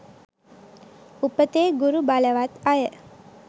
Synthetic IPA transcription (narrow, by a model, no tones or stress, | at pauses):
upət̪eːɡuɾubaləʋat̪ajə